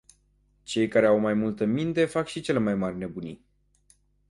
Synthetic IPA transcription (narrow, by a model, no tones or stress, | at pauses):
t͡ʃe̞jkaɾe̞awmajmult̪əmint̪e̞fakʃit͡ʃe̞le̞majmarʲne̞bunʲi